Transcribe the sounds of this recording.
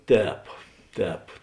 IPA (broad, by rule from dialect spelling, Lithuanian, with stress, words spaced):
ˈtʲɛːp ˈtʲɛːp